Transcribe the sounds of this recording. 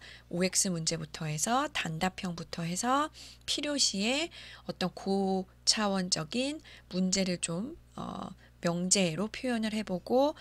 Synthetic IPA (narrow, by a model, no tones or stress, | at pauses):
oe̞k̚s͈ɯmund͡ʑe̞butʰʌe̞sʰʌtandapʰjʌŋbutʰʌɦe̞sʰʌpʰiɾjoɕʰie̞ʌt͈ʌnku | t͡ɕʰawʌnd͡ʑʌɡinmund͡ʑe̞ɾɯɭt͡ɕomʌ̰ː | jʌŋd͡ʑe̞ɾopʰjojʌnɯɭhe̞boɡo